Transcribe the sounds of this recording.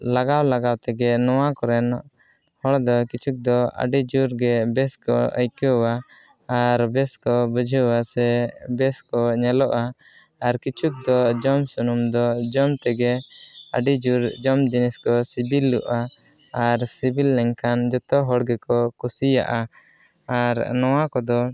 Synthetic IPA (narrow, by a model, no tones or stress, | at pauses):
laɡawlaɡawt̪ɛɡɛnɔwakɔɾɛn | hɔɽd̪ɔkit͡ʃʰuk̚d̪ɔə̰ɖid͡ʒuɾɡɛbɛskɔ̰ə̰jkəwa | aɾbɛskɔbəd͡ʒʱəwasɛbɛskɔɲɛlɔʔaːɾkit͡ʃuk̚d̪ɔd͡ʒɔmsunumd̪ɔd͡ʒɔmt̪ɛɡɛə̰ɖid͡ʒuɾd͡ʒɔmd͡ʒinɛskɔsibilːuʔa | aɾsibilːɛŋkʰand͡ʒɔt̪ɔɦɔɽɡɛkɔkusija̰ʔa | aɾnɔwakɔd̪ɔ